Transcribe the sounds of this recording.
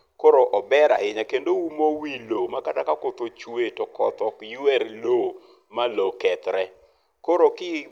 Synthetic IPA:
koɾoʔɔbɛɾa̰ɪɲakendoumowilomakatakakot̪ot͡ʃwetokɔ̰t̪ɔkjuɛɾlo | malokɛt̪ɾɛ | koɾokɪ

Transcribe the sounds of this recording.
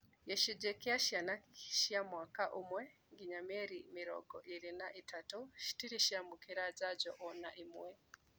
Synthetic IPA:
jɛʃid͡ʒɛkiaʃianakʃiamwakaʔumwɛŋɡiɲamɛɾimiɾɔ̰ɡɔ̰ʔiɾinaʔitatuʃi̥tiɾiʃiamukiɾad͡ʒaɟɔʔɔnaʔimwɛ

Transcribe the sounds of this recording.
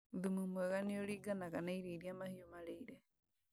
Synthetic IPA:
d̪ɨmɨmuaɡanĩoɾiɡanakaneiɾiɾiamahiomaɾeiɾe

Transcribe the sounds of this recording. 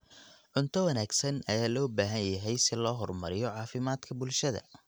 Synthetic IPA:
ʕʊnt̪ʰɔwɐnaːɡsɐnɐjaːlɔːbaːɦɐnjɐɦɛjsɪlɔːɦɔrmɐ̰ɾɪjɔʕɑːfɪmaːd̪kʰɐbʊlʃɐðɐ̰

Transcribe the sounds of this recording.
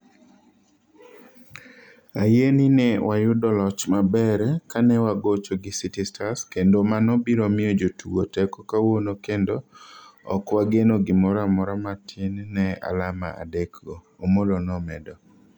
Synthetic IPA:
ajeninɛwajʊdɔlɔt͡ʃmabɛɾɛkanɛwaɡot͡ʃoɡɪsitɪstʰaskendomanɔbiɾomɪjod͡ʒotʰuɡotɛkɔkawonokendo | ɔ̰kwaɡenoɡɪmɔɾamɔɾamatʰɪnnɛa̰lama̰a̰dekɡɔːmolonɔmɛdɔ

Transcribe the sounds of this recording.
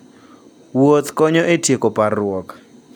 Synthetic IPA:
wot̪kɔɲɔʔetʰiekɔparʊɔkḁ

